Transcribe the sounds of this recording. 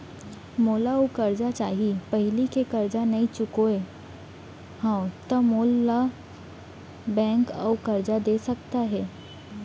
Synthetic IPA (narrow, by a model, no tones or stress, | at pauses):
moːlaukɐɾd͡ʒat͡ʃaːɦipɐɦɪlikekɐɾd͡ʒanɐĩt͡ʃʊkoe | hãt̪ɐmoːlːa | bɛ̃ːŋka̰wkɐɾd͡ʒad̪eːsɐkt̪aɦɛː